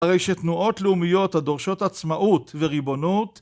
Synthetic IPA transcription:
haʁejʃet̪nuʔo̞t̪leumijo̞t̪hado̞ʁʃo̞t̪at͡smaʔut̪veʁibo̞nut̪

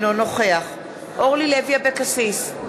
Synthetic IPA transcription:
nonoχeaχ | ʔoʁlilevijabekasis

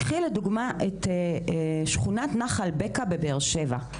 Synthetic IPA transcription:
χileduɡmaʔete | ʃχunatnaχalbekabebeʁʃeva

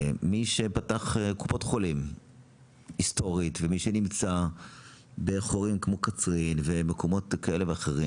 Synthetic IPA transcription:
miʃepataχekupo̞tχo̞lim | isto̞ʁitvemiʃenimt͡sa | beχoʁimkmo̞kat͡sʁinvemeko̞mo̞tkae̞leveaχeʁi

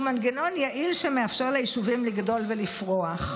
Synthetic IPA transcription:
manɡeno̞njaʔilʃemeafʃeʁlaiʃuvimliɡdo̞lvelifʁo̞aχ

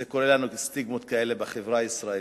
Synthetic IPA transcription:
eko̞ʁelanukest̪iɡmo̞t̪̚kae̞lebeχevʁaisʁae

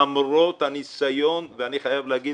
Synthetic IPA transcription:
amɾot̪hanisajo̞nveaniχajavleaɡi

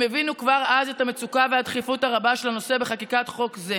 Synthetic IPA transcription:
mevinukvaʁaze̞thame̞t͡sukavehadχifutaʁabaʃelano̞se̞be̞χakikatχo̞kze

